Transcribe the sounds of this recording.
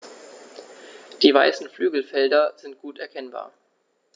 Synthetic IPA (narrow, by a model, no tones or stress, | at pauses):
d̥iːvaɪsn̩flyːɡl̩fɛldɐz̥ɪnt̚ɡ̥uːtɛɐkʰɛnba̰ːɐ